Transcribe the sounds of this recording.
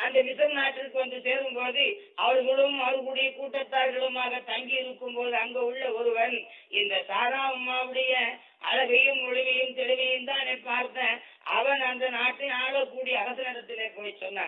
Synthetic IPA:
ɐnd̪ɐmɪsɐɾnaːʈːɪkːɯʋɐnd̪ɯseːɾɯmpoːðɯɐʋɐɭɣɐɽɯmɐʋɐɾkuːɽɪjɐkuːʈːɐt̪ːaːɾɣɐɭɯmaːɣɐt̪ɐŋɡɪjɪɾɯkːɯmpoːðɯɐŋɡeːʊɭːɐɔɾɯʋɐn | ɪnd̪ɐsaːɾaːɐmːaːʋɯɽɐjɐ | ɐ̰ɻɐɣɐjɯmːʊɻɪʋɐjɯmt̪ɛɻɪʋɐjɯmt̪ãːneːpaːɾt̪ːɐ̃ː | ʔɐ̰ʋɐɳɐnd̪ɐnaːʈːɪnaːɭɐkːuːɽɪjɐːɣɐsɐnɐɾɐt̪ːɪleːpoːjt͡ʃːɔnːa̰ː

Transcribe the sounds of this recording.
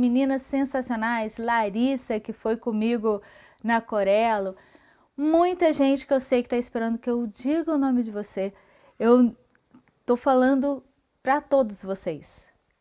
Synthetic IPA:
minĩnɐsːẽsasionajslaɾisɐkɪfojkõmiɡʊ | nɐkoɾɛlʊ | mũj̃t̪ɐʒẽnt͡ʃɪ̥kɪewsejkɪ̥t̪aispeɾɐ̃nd̪ʊkɪewd͡ʒiɡɐʊnõmɪd͡ʒɪvose | ew | t̪owfalɐ̃nd̪ʊ | pɾɐt̪od̪ʊzvosejs

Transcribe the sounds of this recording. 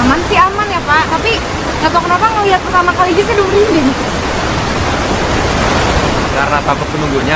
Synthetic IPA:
mansiamanjapat̪api | t͡ʃat̪okənopaŋːəliɦat̪̚sərsamakalid͡ʒisiduɾindɛɡit̪ | kaɾnat̪amək̪̚ːənuɡuɲa

